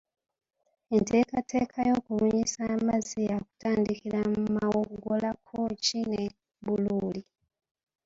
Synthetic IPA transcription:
ente̞ːkatʰe̞ːkʰajo̞ːkuβuɲisaːmaziaku̥taːndikiɾammumawoɡolakʰoːcine̞ | βuluːli

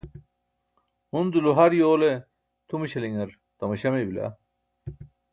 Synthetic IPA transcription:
hunduluɦɐɾjoːle | t̪ʰumiɕɐliŋɐɾ | t̪ɐmɐɕɐmebila̰

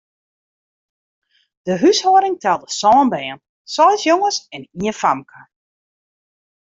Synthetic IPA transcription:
d̥əɦyshoːɾɪŋtʰɛlˠdəsɔːnbɛːən | sɔjsjoŋəsɛniənfamkʰə

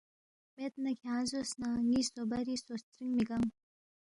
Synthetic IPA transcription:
met̪nakʰʲaazosnaŋisobaɾisost̪ɾiŋmiɡaŋ

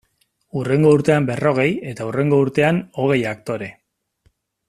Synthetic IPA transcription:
ure̞ŋɡo̞uɾt̪e̞ambe̞ro̞ɣ̞e̞je̞t̪aure̞ŋɡo̞uɾt̪e̞ano̞ɣ̞e̞jak̚t̪o̞ɾe̞

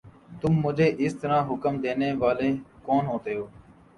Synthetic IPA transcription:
t̪ʊmːʊd͡ʒʱeːʔɪst̪əɾãːɦʊkəmd̪eːneːʋaːleːkoːnɦoːt̪eːɦoː

